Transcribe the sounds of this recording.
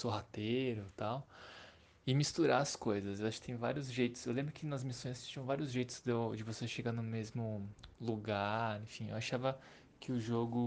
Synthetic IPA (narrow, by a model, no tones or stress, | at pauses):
soɦat̪eɾʊt̪aw | ɪmist̪uɾaɐskojzɐsewaʃʊkɪt̪ẽj̃va̰ɾiʊzʒejt̪ʊ̥sewlẽmbɾʊkɪnɐzmisõj̃st͡ʃĩɐ̃vaɾiʊzʒejt̪ʊ̥zd̪d͡ʒɪvoseʃeɡanʊmezmʊluɡaɾẽfĩḛwaʃavɐ | kʰɪʊʒoɡʊ